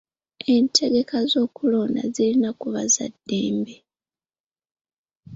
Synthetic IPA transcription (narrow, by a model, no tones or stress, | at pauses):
e̞ntʰe̞ɡe̞kazo̞ːkulo̞ːna̰zilinakuβaza̰dːe̞ːmbe